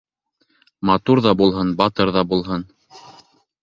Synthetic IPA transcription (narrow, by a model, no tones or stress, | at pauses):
mɑt̪uɾðɑbulˠɦɤnbɑt̪ɤɾðɑbulˠɦɤn